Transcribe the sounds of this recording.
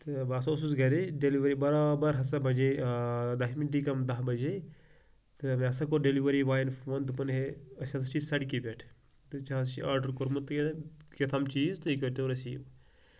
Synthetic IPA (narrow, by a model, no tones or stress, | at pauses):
t̪ɨbaːsoːsusɡɐɾeɖeliʋɐɾibɐɾaːbɐɾɦɐsɐbɐd͡ʒed̪aɦmiʈikɐmd̪ɐɦbɐd͡ʒe | t̪ɨmẽɐsɐkoɖeliʋɐɾiʋaːjnfʋɐnd̪upɐnɦeɐsʲɐt̪t͡ʃiːzsɐɽkibʲeʈʰ | t̪ɨt͡ʃat͡ʃiaːɾɖɐɾkoɾmut̪kekɐt̪ʰɐmt͡ʃiːzt̪ɨikɐt̪eɾɐsḭːʋ